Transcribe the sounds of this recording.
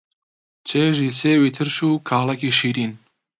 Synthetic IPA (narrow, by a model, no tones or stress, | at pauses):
t͡ʃʰeːʒiːseːwit̪ʰɨɾʃuːkʰaːlakiʃiːɾiːn